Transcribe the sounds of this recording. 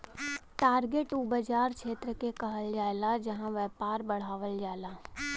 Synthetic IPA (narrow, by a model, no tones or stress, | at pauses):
ʈaːɾɡeːʈubəd͡ʒaːɾkʃʰeːt̪ɾəkekɐɦəld͡ʒaːelad͡ʒɐɦãʋɛːpaːɾbəɽ̤aːʋəld͡ʒaːlaː